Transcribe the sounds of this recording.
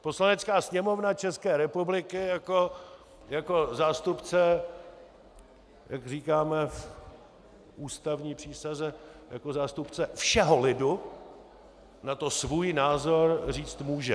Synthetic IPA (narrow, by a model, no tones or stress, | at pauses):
poslanɛt͡skaːsɲɛmo̞vnat͡ʃɛskɛːɾɛpublɪkɪjako | jako̞zaːst̪upt͡sɛ | jʔakriːkaːmɛf | ʔuːst̪avɲiːpr̥iːsazɛjako̞zaːst̪upt͡sɛfʃɛɦolɪdu | nat̪o̞svuːjnaːzoɾriːt͡st̪muːʒɛ̰